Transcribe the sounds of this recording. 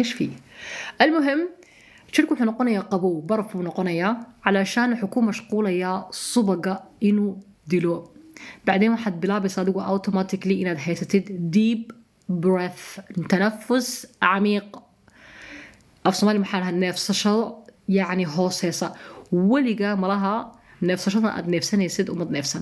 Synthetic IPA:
ʔeːʃfḭːʔalmʊɦɪmː | ʃɪɾkuħʊnʊqʊnajaqɑbuːbɑɾˤfinʊqʊnajaːʕalaʃaːnħʊkuːmmaʃquːlajasˤʊbɑɡaʔɪnu | d̪iloːb̥aʕd̪eːnwaħad̪̚bɪlaːbɪsˤad̪ɪɡuʔat̪omaːt̪ɪkliːʔɪnad̪ɦeːsɪt̪ɪd̪d̪iːb | bɾeθt̪anafːʊsʕamiːq | ʔafsmaːlimaħalɦaneːfsʃɑd̪ˤjaʕniɦoːsˤesawaliɡamalaɦa | neːfsaʃɑt̪ˤʔa̰d̪neːfsanesid̪ʔʊ̰mad̪neːfsan

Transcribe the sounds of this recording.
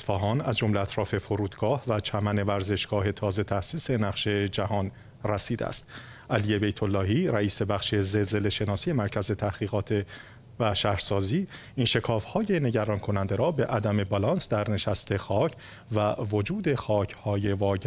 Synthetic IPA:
sfɒːɦɒːnæzd͡ʒo̞mleæt̪ʰɾɒːfe̞foɾuːd̪ɡɒːhvæt͡ʃʰæmæne̞væɾze̞ʃɡ̥ɒːɦe̞t̪ʰɒːze̞t̪ʰæsiːse̞næχʃe̞d͡ʒæhɒːn | ræsiːd̪ḛæ̰st̪ | ʔælije̞bejt̪ʰolːɒːɦiːɾæiːse̞bæχʃezelze̞le̞ʃe̞nɒːsije̞mæɾcʰæze̞t̪ʰæhɣ̥iːɣɒːt̪ʰe | væʃæhɾsɒːziː | inʃe̞kʰɒːfhɒːje̞ne̞ɟæɾɒːnkʰo̞nænd̪e̞ɾɒːbe̞ʔæd̪æme̞bɒlɒnsd̪æɾne̞ʃæst̪e̞xɒːcʰ | vævo̞d͡ʒuːd̪e̞xɒːcʰhɒːje̞vɒː

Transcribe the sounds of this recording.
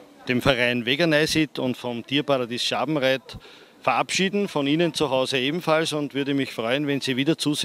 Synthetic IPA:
d̥eːmfɛɐʁaɪnveɡɐnaɪsit̪ʰʊ̃ntfɔmtʰiːɐpaladiːsʃaːbm̩ʁɛt | fɛɐʔapʃiːdn̩fɔniːnənt͡suɦɑʊzəeːbm̩falsʊ̃ntvʏɐdəmɪçfʁɔʏənvɛnsiːviːdɐt͡suːs

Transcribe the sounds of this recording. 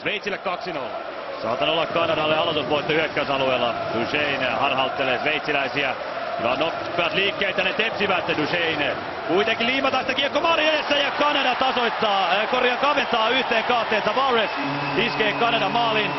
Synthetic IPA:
sʋeit̪silːekkɑksinolː | sɑ̰ːt̪ːɑnolːɑkkɑnɑdɑlːeɑlot̪usʋoit̪ːɑyhekːæsɑlueːlːɑd̥uʃeinhɑrhɑlt̪ːeleːsʋeit̪silæisiæ | ḭʋɑ̰nopː | iɑt̪liːkːeːt̪jɑnet̪epsiʋæt̪ːduʃein | kuit̪ekilliːmɑt̪ɑst̪ækikːomɑrijɑjest̪æjɑkɑnɑdɑt̪ɑsoit̪ːɑːkorjɑŋkɑʋent̪ːɑːyht̪eːŋkɑht̪ːˑeːnt̪ɑʋɑres | iskeːkɑnɑdɑmɑːlin

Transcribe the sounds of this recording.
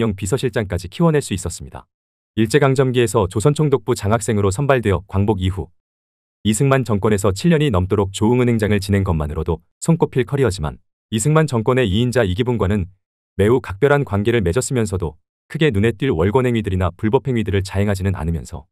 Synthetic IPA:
ʌŋpisʰʌɕʰiɭt͡ɕ͈aŋk͈ad͡ʑikʰiwʌnɦaɭs͈uis͈ʌs͈ɯmɲida̰ | iɭt͡ɕ͈e̞ɡaŋd͡ʑʌmɡie̞sʰʌt͡ɕosʰʌnt͡ɕʰoŋdok̚p͈ut͡ɕaŋɦak̚s͈e̞ŋɯɾos̬ʰʌnbaɭdweʌkwaŋboɡiɦu | isʰɯŋmant͡ɕʌŋk͈wʌnesʰʌt͡ɕʰiɭːʌɲinʌmt͈oɾok̚t͡ɕoɯŋɯnɦe̞ŋd͡ʑaŋɯɭt͡ɕine̞ŋɡʌmːanɯɾodo | sʰoŋk͈opʰiɭkʰʌɾiʌd͡ʑima̰n | is̬ʰɯŋmant͡ɕʌŋk͈wʌne̞iind͡ʑaiɡibunɡwanɯn | me̞ukak̚p͈jʌɾɦankwanɡe̞ɾɯɭme̞d͡ʑʌs͈ɯmjʌnsʰʌdo | kʰɯɡe̞nune̞t͈ɥiɭwʌɭɡwʌnɦe̞ŋɥidɯɾinapuɭbʌpʰeŋɥidɯɾɯɭt͡ɕaɦeŋɦad͡ʑinɯna̰nɯmjʌ̰nsʰʌ

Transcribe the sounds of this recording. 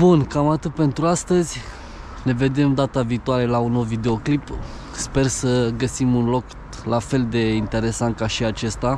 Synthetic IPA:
bunkamat̪ɨt̪̚pe̞nt̪ɾuast̪əzʲ | ne̞ve̞d̪e̞md̪at̪aviːt̪oaɾe̞launovid̪e̞o̞klip | spe̞rsəɡəsimunlo̞k | lafe̞ld̪e̞int̪e̞ɾe̞sant̪̚kaʃiat͡ʃe̞st̪a

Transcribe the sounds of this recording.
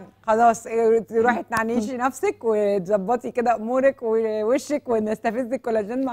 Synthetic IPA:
xɑlɑːsˤɾuːħet̪̚naʕniːʃinæfsækwet̪zɑbːɑt̪ˤiked̪æʔomuːɾækweweʃːækwenæst̪æfezːekːolːæʒæːnma

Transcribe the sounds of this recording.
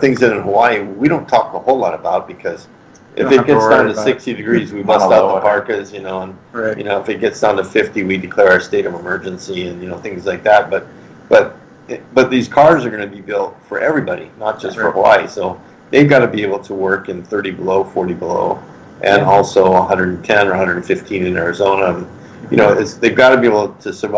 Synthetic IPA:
θɪ̃ŋzɨ̃nɨ̃nɦəwaɪiwiɾõʊ̃ntʰɔk̚tʰəhoʊlɔɾəbaʊt̚b̥ɨkʰʌz̥ | ʔɨ̰fɨt̚ɡ̥ɛsdãʊ̃ntɨsɪkstidɨɡɹizwibʌstaʊt̪̚ðəpʰɑɹkɨzjɨnoʊə̃njɨ̰noʊəfɨt̚ɡ̥ɛtsd̥ãʊ̃ntɨfɪftiwidɨkʰl̥ɛɹʊə˞steɪɾʌvəmɜ˞d͡ʒɨ̃nsiɨ̃njɨnoʊθɪ̃ŋzlaɪk̚ðæt̚b̥ʌt̪̚ | b̥ʌt̪̚ | b̥ʌt̪̚ðiz̥kʰɑɹzə˞ɡʌnɨbibɪlˠtfə˞ʔɛvɹibɑɾḭnət̚d̥ʒ̥ʌstə˞həwa̰ɪsoʊ | ðeɪvɡɑɾɨbieɪbl̩ˠtʰəwɜ˞kɨ̃nθɜ˞ɾibəloʊfɔɹɾibəlo̰ʊ | ʔɨ̃nɔlˠsoʊəɦʌ̃ndɹə˞dn̩tʰɛ̃nə˞hʌ̃ndɹə˞dn̩fɪftʰĩnɨ̃nɛɹɨzõʊ̃nəə̃n | jɨ̰ñoʊɪtsðeɪvɡɑɾɨbieɪbl̩ˠtʰɨsə˞v

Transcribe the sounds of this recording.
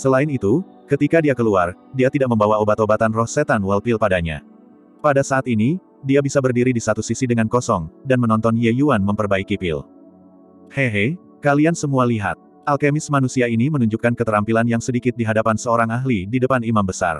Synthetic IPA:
səlaɪnit̪u | kət̪ikadiakəluardiat̪idaʔ̚məmbawaobat̪obat̪anrɔhsɛt̪anwalpɪlpadaɲa̰ | padasaːt̪ini | diabisabərdiɾidisat̪usisidəŋankɔsɔŋdanmənɔnt̪ɔnjejuanməmpərbaikipɪ̰l | heɦe | kaliansəmualiɦa̰t̪̚ | ʔalkemɪsmanusiainimənuɲd͡ʒukankət̪əɾampilanjaŋsədikɪt̪̚diɦadapansəoɾaŋaɦlididəpanimambəsa̰r

